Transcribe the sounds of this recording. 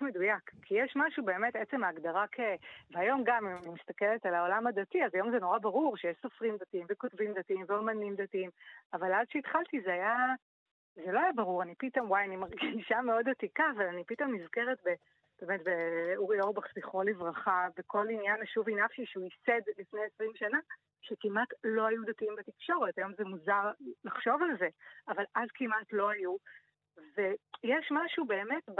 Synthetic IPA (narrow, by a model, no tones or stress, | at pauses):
medujakkʰːijɛʃmaʃube̞ːme̞tet͡se̞mːɡd̪aʁakʰeveajo̞mɡamimanimist̪akeletalao̞lamad̪atiazajo̞mzeno̞ʁabaʁuʁʃejeʃsofʁimd̪atimvekotvimd̪atiimveomanimd̪atiimavaladʃeit̪χalt̪izeaja | zelo̞ajabaʁuʁanipit̪o̞mwajanimaʁɡiʃameo̞d̪atikaːvalanipito̞mnizke̞ʁetbe | b̥e̞ːmetbeuʁioʁbaχsviχolivʁaχabeko̞linjanaʃuvinafʃiʃeuisedlifnejesʁimʃana | ʃekimatlo̞ajudatiimbetikʃo̞ʁetajo̞mzemuzaʁlaχʃo̞valze̞avalʔazkimatlo̞aju | ve̞jɛʃmaʃube̞ːmetb